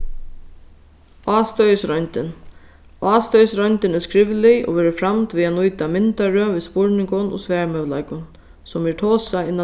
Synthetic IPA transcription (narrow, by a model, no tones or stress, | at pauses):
ɑːst̪œjsɾɔjnt̪ɪn | ɑːst̪œjsɾɔjɲt̪ɪnɛskɾɪvlɪɔ̰ʋɛːɾɪfɾamt̪viːanujt̪amɪnt̪aɹœvispʊɹnɪŋkʊnɔ̰svɛːɹmœvla̰jkʊn | sɔmɛɹt̪ʰɔːsaɪnːa